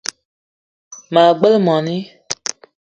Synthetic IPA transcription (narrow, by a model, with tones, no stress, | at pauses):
ma˨ɡ͡bə˦lmɔ˨ni˦